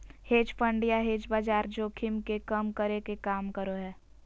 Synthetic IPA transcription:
heːd͡ʒpə̃ɳɖijaɦeːd͡ʒbaːd͡ʒaːɾd͡ʒoːkʰɪmkekəmkəɾekekaːmkəɾoɦɛː

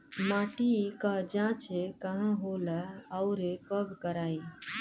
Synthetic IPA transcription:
mãːʈikəd͡ʒãt͡ʃekəɦə̃ɦoləəʊɾekəbʱkəɾaːi

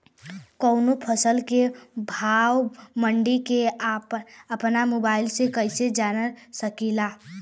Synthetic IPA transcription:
kəʊnopʰəsəlkebʱawməɳɖikeapəpnamobaɪlsẽkəɪsed͡ʒanəsəkila

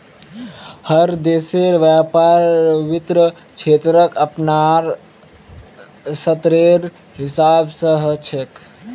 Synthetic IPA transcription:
həɾd̪eːseɾʋjapaɾʋit̪ɾə | t͡ʃʰeːt̪ɾəkəpnaɾ | sət̪ɾeɾ | ɦisaːbsəɦət͡ʃʰek

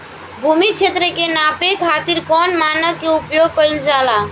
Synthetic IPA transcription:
bʱumit͡ʃʰet̪ɾəkenapekʰat̪iɾkɔnmanəkkːeupjoɡ̚kəjld͡ʒala

